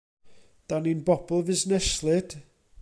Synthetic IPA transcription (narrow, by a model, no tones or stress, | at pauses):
d̥aninbɔb̥l̩ˠvɪznɛslˠɨd̥